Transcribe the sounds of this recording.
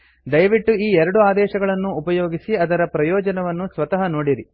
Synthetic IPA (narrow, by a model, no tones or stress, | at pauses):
d̪ɐjʋiʈːuiːɛɾɐɽuaːd̪ɛːʃɐɡɐɭɐnːuːpɐjoːɡisiɐd̪ɐɾɐpɾɐjɔːd͡ʒɐnɐʋɐnːusʋɐt̪ɐɦɐnoːɽiɾi